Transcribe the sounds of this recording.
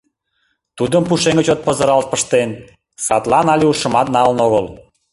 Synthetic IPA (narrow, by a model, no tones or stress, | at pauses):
t̪ud̪əmpuʃeŋət͡ɕot̪̚pəzə̆ɾɑlt̪̚pəʃt̪en | sɑt̪lɑnɑlʲeuʃə̆mɑt̪̚nɑlənoɣəl